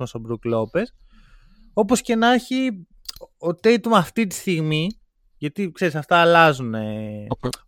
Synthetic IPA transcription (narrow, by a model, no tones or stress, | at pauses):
mɐsobɾuklo̞pe̞s | o̞po̞sce̞nɐçi | ot̪et̪umɐft̪it̪i̥st̪iɣmi | ʝɐt̪ikse̞ɾisɐft̪ɐːlɐzune